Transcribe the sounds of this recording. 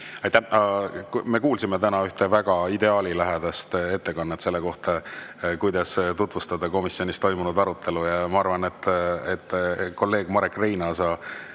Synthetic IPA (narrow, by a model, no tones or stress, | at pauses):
ɑjt̪ːæhɑme̞kuːlsimet̪ænɑyht̪e̞væɡ̥ɑid̪e̞ɑːlilæɦed̪̥ɑst̪e̞t̪ːe̞kɑnːet̪se̞lːe̞ko̞ht̪ɑkujd̪̥ɑst̪ut̪ˑvust̪ɑd̪ɑko̞misjo̞nist̪o̞jmunud̪ɑɾut̪ːˑe̞lujɑmɑɑrvɑne̞t̪ːˑet̪ːˑko̞lːe̞ːɡ̥mɑɾekːˑrejnɑːsɑː